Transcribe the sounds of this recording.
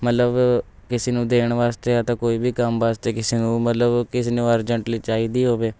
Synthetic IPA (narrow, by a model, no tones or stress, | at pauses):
mət̪ləb | kɪseːnũːd̪eːɳʋaːst̪eːət̪ẽːkoːiːbʱiːkəmʋaːst̪eːkɪseːnũːmət̪ləbkɪseːnũːəɾd͡ʒəɳʈliːt͡ʃaːiːd̪iːɦoːʋeː